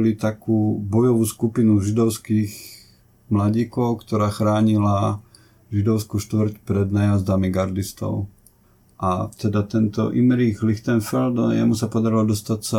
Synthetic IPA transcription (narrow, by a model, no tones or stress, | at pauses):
lit̪akuːbɔjɔʋuːskupinuʒid̪ɔʊskiːx | mlaɟiːkɔʊkt̪ɔɾaːxɾaːɲila | ʒid̪ɔʊskuʃt̪ʋɾcpɾɛd̪najazd̪amiɡaɾd̪ist̪ɔ̰ʊ | ʔat̪ɛd̪at̪ɛnt̪ɔ̰ʔimɾiɣlixt̪ɛnfɛld̪jɛ̰musapɔd̪aɾilɔd̪ɔst̪atsa